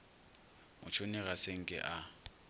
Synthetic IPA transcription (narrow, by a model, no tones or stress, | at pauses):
mʊ̰t͡ʃʰonɪɣaseŋ̩kʼɪ̰ʔa